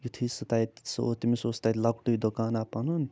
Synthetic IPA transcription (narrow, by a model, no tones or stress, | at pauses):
jut̪ʰisɐt̪ajt̪so̰t̪imisoːst̪ajt̪lɐkʈuid̪okaːnapɐnun